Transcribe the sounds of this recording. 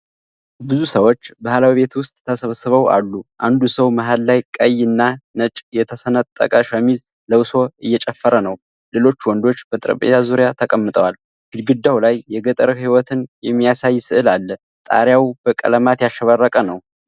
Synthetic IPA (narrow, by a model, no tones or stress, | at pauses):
bɨzusəwo̞t͡ʃːbahlawiβe̞t̪wʊst̪ʼʰəsəβsəβəwa̰lːuʔand̪usəwmaɦallajkʼəjːɨnːanət͡ʃʼjɛt̪ʰəsənət̪ʼt̪ʼːə̰kʼaʃəmiz | ləwso̞ɨjːɛt͡ʃʼɛfːəɾənəw | le̞lo̞t͡ʃːwɔnd̪o̞t͡ʃːbət̪ʼɾə̰pʼḛt̪ʰazuɾjat̪ʰəkʼəmːɨt̪ʼəwal | ɡ̥ɨd̪ɡɨd̪ːawlajːɛɡət̪ʼəɾəhiwɔt̪ʰɨnjɛmːijasajːsɨʔɨlalːə | t̪ʼa̰ɾjawb̥əkʼə̰ləmat̪jaʃːəβarːəkʼənəw